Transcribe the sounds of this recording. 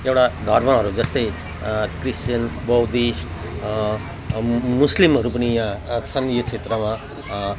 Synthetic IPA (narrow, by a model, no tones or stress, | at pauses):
ewʈad̪ʱʌrmaɦʌɾud͡zʌst̪ʌj | krist͡ʃjʌnbʌwd̪isʈ | muslimɦʌɾupʌnijãt͡sʰʌnjot͡sʰet̪ɾʌmã